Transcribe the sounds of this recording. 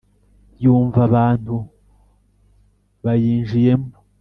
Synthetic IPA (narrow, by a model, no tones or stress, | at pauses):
juːɱvaβaːn̥hu | βajiːnʒije̞mbo